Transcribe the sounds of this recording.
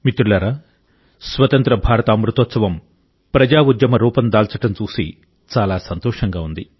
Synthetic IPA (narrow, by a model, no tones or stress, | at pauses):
mit̪ɾulɐɾa | sʋɐt̪ɐnt̪ɾɐbʱaːɾɐt̪ɐɐmɾut̪ɔt̪sɐʋɐm | pɾɐd͡ʒaːud̪jɐmɐɾuːpɐnd̪aːlt͡ʃɐʈɐmt͡ʃuːsḭ | t͡ʃaːlaːsɐnt̪ɔːʂɐŋɡaːund̪i